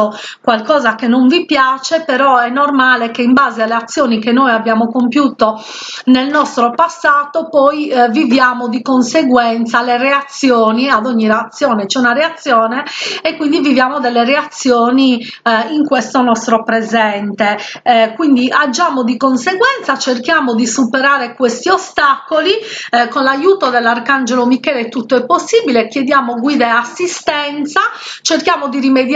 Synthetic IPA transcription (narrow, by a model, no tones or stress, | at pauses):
kwalkɔːzakenːoɱvipjaːt͡ʃepɛɾɔɛnːɔrmaːlekeimbaːzealːeat̪sːjoːnikenːojabːjaːmokompjuːt̪o | nelnɔst̪ɾɔpasːaːt̪opɔjvivjaːmod̪ikonseɡwɛnt̪salereat̪sːjoːniad̪oɲːireat̪sːjɔːnet͡ʃɛunarɛat̪sːjɔːneekwind̪ivivjaːmod̪ɛlːereat̪sːjoːniiŋkwest̪onɔst̪ɾopɾezɛnt̪ekwind̪iʔad͡ʒːaːmod̪ikonseɡwɛnt̪sat͡ʃerkjaːmod̪isupeɾaːɾekwest̪iost̪akolikonlajuːt̪od̪ɛlːarkand͡ʒelomikɛːlet̪ːut̪ːoɛpːosːiːbilekjed̪jaːmoɡwiːd̪aeasːist̪ɛnt̪sat͡ʃerkjaːmod̪irimed̪